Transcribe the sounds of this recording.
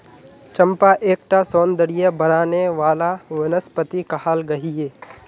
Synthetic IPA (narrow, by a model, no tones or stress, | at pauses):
t͡ʃɐ̃mpaʔeːk̚ʈasɔːnd̪əɽijabɐɾaːneʋaːlaʋɪnəspət̪ikɐɦaːlɡɐɦieː